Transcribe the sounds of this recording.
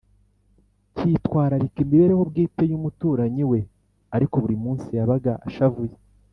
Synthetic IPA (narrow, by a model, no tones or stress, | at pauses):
citwaːɾaɾikimbiβe̞ɾeho̞bɡiːte̞jumutuːɾaɲiwe̞ | aɾiko̞βuɾimuːnsijaβaɡaʔaʃavuje